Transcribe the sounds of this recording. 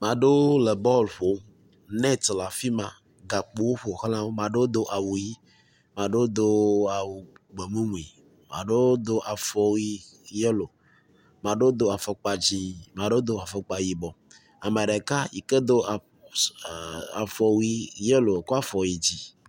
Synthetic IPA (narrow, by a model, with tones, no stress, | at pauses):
mã˨ɖo˦le˨bɔ˦lɸo˦ | nɛ̃˦t̪la˨fi˦mã˨ | ɡa˨k͡po˨˦wo˦ɸo˨xlã˦wo˦mã˨ɖe˦o˦d̪o˦ʔa˨wu˨ji˦ | mã˨ɖe˦wo˦d̪o˦a˨wu˨ɡ͡be˨mũ˦mũ˨i˨ | mã̰˨ɖe˦d̪o˦ʔa˨fɔ˨wi˦je˦lo˨ | mã˨ɖe˦o˦d̪o˦a˨fɔ˨k͡pa˨d͡ʑi˦mã˨ɖe˦o˦d̪o˦a˨fɔ˨k͡pa˨ji˨bɔ˨ | a˨me˨ɖe˨ka˦ji˨ke˦d̪o˦˨ | a̰˨fɔ˨wi˦je˦lo˨ko˦a˦fɔ˨ji˨d͡ʑi˦